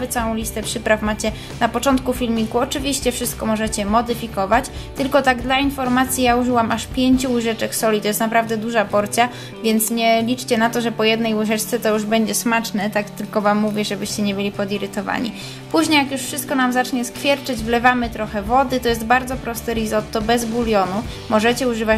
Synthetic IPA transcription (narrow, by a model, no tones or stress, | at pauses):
vɘt̪sawɔ̃w̃lʲist̪ɛpʂɘpɾafmat͡ɕɛ | napɔt͡ʂɔnt̪kufʲilmʲikuɔt͡ʂɘvʲiɕt͡ɕɛfʂɘst̪̚kɔmɔʐɛt͡ɕɛmɔd̪ɘfʲikɔvat͡ɕ | t̪ɘlkɔt̪aɡd̪lainfɔɾmat̪sʲjijauʐɘwamaʂpʲjeɲt͡ɕuuʐɛt͡ʂɛksɔlʲit̪ɔjɛst̪napɾavd̪ɛd̪uʐapɔɾt̪sʲja | vʲjɛnt̪sɲɛlʲit͡ʂt͡ɕɛnat̪ɔʐɛpɔjɛd̪nɛjuʐɛt͡ʂt̪sɛt̪ɔjuʐbɛɲd͡ʑɛsmat͡ʂnɛt̪akt̪ɘlkɔvamːuvʲjɛʐɛbɘɕt͡ɕɛɲɛbɘlʲipɔd̪iɾɘt̪ɔva̰ɲḭ | puʑɲejakjuʂfʂɘst̪kɔnamzat͡ʂɲɛskfʲjɛɾt͡ʂɛd͡ʑvlɛvamɘt̪ɾɔxɛvɔd̪ɘt̪ɔjɛst̪baɾd̪zɔpɾɔst̪ɘɾizɔt̪ːɔbɛzbulʲjɔnu | mɔʐɛt͡ɕɛuʐɘva